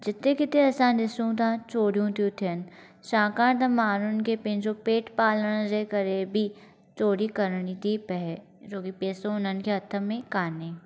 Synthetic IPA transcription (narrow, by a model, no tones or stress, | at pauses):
d͡ʒɪt̪ːekɪt̪eɐsãːnd̪ɪsũt̪ãːt͡ʃoːɽjũt̪juːt̪ʰijɐn | ʃãːkãːt̪ɐmaːɾʊnkepẽnt͡ʃopeːʈpaːləɽ̃d͡ʒekɐɾebʱi | t͡ʃoːɽikɐɾɳ̃it̪ipɛɦɛ | d͡ʒoːɡipeːsõʊnənkeɐt̪ʰːəmẽkaːne